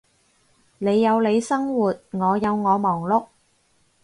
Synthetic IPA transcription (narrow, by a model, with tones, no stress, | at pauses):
le˨˧jːɐ˨˧wle˨˧jsɐ˥ŋwuː˨t̚ŋɔː˨˧jɐ˨˧wŋɔː˨˧mɔː˨˩ŋlʊ˧k̚